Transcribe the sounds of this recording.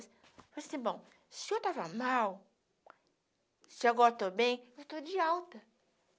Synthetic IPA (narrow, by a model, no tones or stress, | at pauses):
s | fasĩbõw̃ | sɪewt̪avɐmaw | sɪaɡɔɾɐt̪obẽj̃ewt̪od͡ʒɪawt̪ɐ